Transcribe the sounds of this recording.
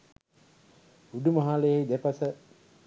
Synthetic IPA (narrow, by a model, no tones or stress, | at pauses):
uɖumɐɦaːlejaid̪ɛpasə